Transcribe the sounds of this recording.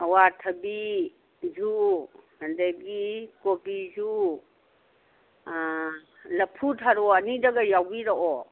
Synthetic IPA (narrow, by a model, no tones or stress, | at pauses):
ɐwatʰɐbi | zuhɐndeɡikopizu | lɐpʰːutʰaɾɔɐnidɐɡajawbiɾɔʔɔ